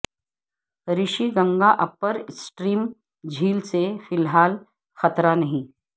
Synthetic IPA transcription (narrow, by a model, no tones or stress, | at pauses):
ɾɪʃiɡɐ̃ŋɡaʔɐpːəɾɪsʈɾiːm | d͡ʒʱiːlsefɪlɦaːl | xɐt̪ɾanɐɦĩː